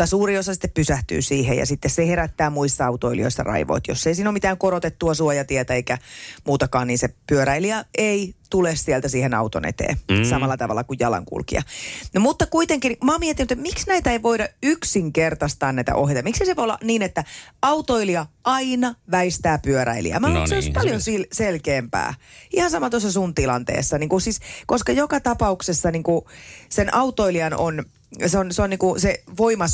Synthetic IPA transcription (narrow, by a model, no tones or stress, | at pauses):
ɑsuːriosɑsi̥t̪ːeppysæht̪y̰ːsiːhḛjɑ̰sit̪ːesseheɾæt̪ːæːmuist̪ːɑɑut̪oilḭoisːɑ̰rɑ̰iʋo̰it̪josːeisiːnoːmit̪æːŋkoɾot̪et̪ːuɑsuojɑt̪iɛt̪æeikæmuːt̪ɑkɑːnniːnsepyøɾæiliɑʔeit̪ulessiɛlt̪æsiːhenɑ̰ut̪onḛt̪ḛːsɑmɑlːɑt̪ɑʋɑ̰lːɑkujjɑlɑ̰ŋkṵlkḭɑ̰nomut̪ːɑkuit̪eŋkinmɑːmiɛet̪ːinyt̪et̪miksnæit̪æeiʋoidɑyksiŋkert̪ɑst̪ɑːnæit̪æ̰ʔoɦjejt̪ɑmiksiseʋoolːɑ̰niːnet̪ːæɑut̪oiliɑʔɑinɑʋæist̪æːpyøɾæ̰ilḭæ̰mæokseoispɑljonsilselkeːmpæ̰ːihɑnsɑmɑt̪osːɑsunt̪ilɑ̰nt̪ḛːsːɑniːŋkusiskoskɑjokɑt̪ɑpɑuksesːɑniŋkusenʔɑut̪ˑoiliɑnon | seonseoniːŋkuseʋoimɑ